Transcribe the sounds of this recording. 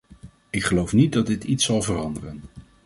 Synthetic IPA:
ɪkχəlowfnit̚dɑd̚ɪtitsɑlˠvərɑndərən

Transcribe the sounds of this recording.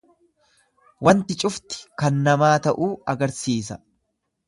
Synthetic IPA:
wɐnt̪ɪt͡ʃʼʊft̪ɪ̥kɐnːɐmaːt̪ɐʔuːɐɡɐɾsiːs̬ɐ

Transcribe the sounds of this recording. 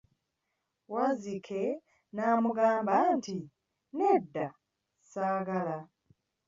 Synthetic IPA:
wazikʰe | naːmuɡaːmbanti | nedːa | saːɡala

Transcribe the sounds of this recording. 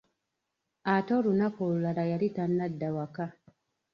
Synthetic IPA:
atoɾunakolulaɾajaɾitanːadːawaka

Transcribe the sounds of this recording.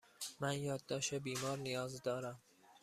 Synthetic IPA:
mænjɒːd̪ːɒːʃebiːmɒːɾnijɒːzd̪ɒːɾæm

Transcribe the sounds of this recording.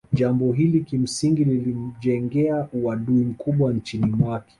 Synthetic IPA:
ʄambɔɦilikim̩siŋɡililim̩ʄɛŋɡɛauaɗuim̩kuɓwant͡ʃinimwakɛ̥

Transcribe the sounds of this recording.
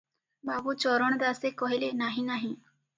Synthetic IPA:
baːbuːt͡ʃɔːɾəɳ̃d̪aːsekɔɦilenaːɦĩnaːɦĩː

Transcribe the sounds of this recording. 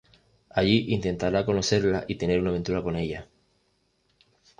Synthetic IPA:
aʎiʔint̪e̞nt̪aɾako̞no̞se̞ɾlaʔit̪e̞ne̞ɾunaβ̞nt̪uɾako̞ne̞ʎa

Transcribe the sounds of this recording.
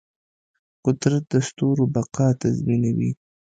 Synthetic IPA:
qʊd̪ɾat̪̚d̪əst̪oɾobaqɑt̪azminawḭ

